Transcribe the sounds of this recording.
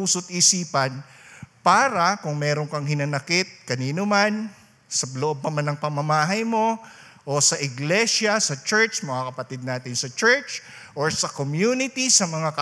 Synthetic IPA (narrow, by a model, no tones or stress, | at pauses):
uːsot̪̚ʔisiːpɐn | paːɾɐkʊŋmɛːɾoŋkɐŋhɪnɐnɐkɪt̪̚kɐniːnoman | sɐloʔob̚pɐmanɐŋpɐmɐmaːɦɐjmo̞ | ʔosɐʔɪɡlɛʃɐsɐt͡ʃɛɹt͡ʃmɐŋakɐpɐt̪id̪̚naːt̪ɪnsɐt͡ʃɛɹt͡ʃ | ʔoɹsɐkomjuːnɪt̪isɐmɐŋakɐ